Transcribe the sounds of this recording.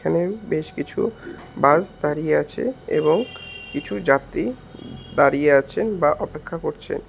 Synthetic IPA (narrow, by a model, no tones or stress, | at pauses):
kʰanebeʃkit͡ɕʰṵ | bad͡ʑd̪aɾijeat͡ɕʰḛḛβoŋkit͡ɕʰud͡ʑat̪ːi | d̪aɾijeat͡ɕʰenbaʔɔpekʰːakoɾt͡ɕʰḛn